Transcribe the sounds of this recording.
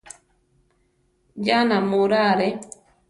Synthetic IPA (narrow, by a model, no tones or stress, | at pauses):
d͡ʒanamuɾaɾɛ